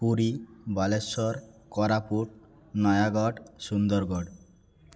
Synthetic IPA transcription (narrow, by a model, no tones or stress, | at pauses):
puɾibalesɔɾkɔɾapuʈ̚ | nɔjaɡɔɖsund̪ɔɾɡɔɖ